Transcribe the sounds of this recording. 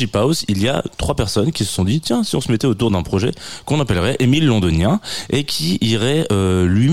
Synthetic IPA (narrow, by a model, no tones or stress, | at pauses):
ipawsilja̰t̪χwapɛʁsɔnkʲisə̥sɔ̃d̪it̪jɛ̃siɔ̃səmɛt̪ɛot̪uʁd̪ɛ̃pχɔʒɛ̰kɔ̃napɛlʁɛʔemilːɔ̃d̪ɔnjɛ̃ekʲʰiːʁɛølɥi